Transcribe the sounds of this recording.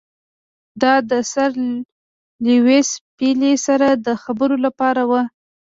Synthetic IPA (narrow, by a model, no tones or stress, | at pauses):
d̪ɑd̪əsaɾ | liwespilesaɾad̪əxabəɾolapɑɾawa